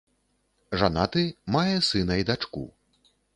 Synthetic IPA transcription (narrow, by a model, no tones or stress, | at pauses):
ʐanat̪ɨmajɛsɨnɐjd̪at͡ʂkṵ